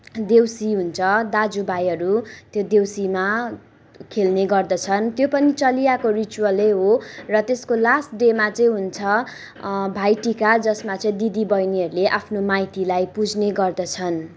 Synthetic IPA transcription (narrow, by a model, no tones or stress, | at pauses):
d̪ewsiɦunt͡sʰʌd̪ad͡zubʱajʌɾut̪jod̪ewsima | kʰelneɡʌrd̪ʌt͡sʰʌnt̪jopʌnit͡sʌlijakorit͡suwʌlʌjɦorʌt̪eskolasʈɖemat͡sʌ̃ĩɦunt͡sʰʌ | bʱajʈikad͡zʌsmat͡sʌĩd̪id̪ibʌjniɦʌɾuleʔapʰnomajt̪ilajpud͡zʱneɡʌrd̪ʌt͡sʰʌn